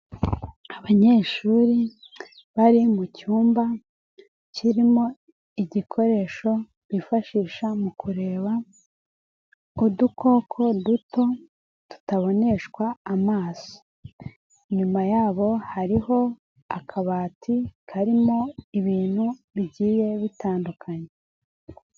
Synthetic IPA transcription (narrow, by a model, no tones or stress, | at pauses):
aβaɲe̞ːʃuːɾi | βaɾimucuːmba | ciɾimo̞ | iɟikʰo̞ɾe̞ʃo̞ | βifaʃiːʃamukuɾe̞ːβa | udukʰo̞ːkʰo̞duto̞ | tu̥taβo̞ne̞ʃkwaːmaːso̥ | ɲumajaːβo̞haɾiho̞ | akʰaβaːtʰikʰaɾimo̞iβiːn̥huβiɟiːje̞βitaːndukʰaɲe